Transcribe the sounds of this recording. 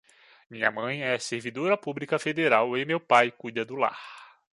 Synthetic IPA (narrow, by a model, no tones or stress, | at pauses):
mĩɲɐmɐ̃j̃ɛɐseɾvid̪oɾɐpublikɐfed̪eɾawemewpajkujd̪ɐd̪ʊla̰h